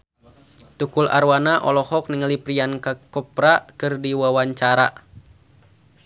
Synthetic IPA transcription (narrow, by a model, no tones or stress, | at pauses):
t̪ukula̰ɾwanaʔɔ̰lɔhɔk̚niŋəlipɾiankakɔpɾakɨrdiwawaɲt͡ʃaɾa